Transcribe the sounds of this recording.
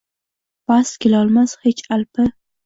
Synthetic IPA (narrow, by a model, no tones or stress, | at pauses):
baskʲʰelɒlˠmashet͡ʃalpɪ